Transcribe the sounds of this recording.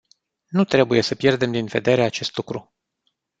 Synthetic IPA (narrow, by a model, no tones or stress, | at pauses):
nut̪ɾe̞buje̞səpje̞rd̪e̞md̪inve̞̰d̪e̞ɾe̞at͡ʃe̞st̪lukɾu